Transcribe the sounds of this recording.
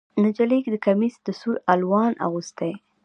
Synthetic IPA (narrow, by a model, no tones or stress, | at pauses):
nad͡ʒalikd̪əkamisd̪̥əsujalwɑna̰ɣust̪aj